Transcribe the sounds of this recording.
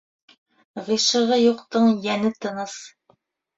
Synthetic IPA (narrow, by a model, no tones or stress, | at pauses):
ʁiʃɤ̆ʁɤjuqt̪ɤɴjænɘt̪ɤ̆nɤs